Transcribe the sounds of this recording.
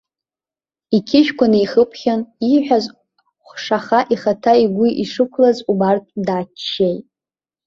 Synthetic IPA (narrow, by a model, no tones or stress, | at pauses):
ikʲʰɪʃᶣkʷanɨiχəpʰχʲaniħᶣaz | χʷʂaχaʔiχatʰaiɡʷuʔiʂɨkʷʰlazubartʼdaːt͡ʃʰːejtʼ